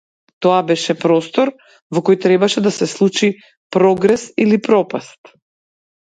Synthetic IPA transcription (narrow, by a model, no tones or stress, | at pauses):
t̪ɔabɛʃɛpɾɔst̪ɔɾ | vɔkɔjt̪ɾɛbaʃɛd̪asɛslˠut͡ʃi | pɾɔɡɾɛsilipɾɔpast̪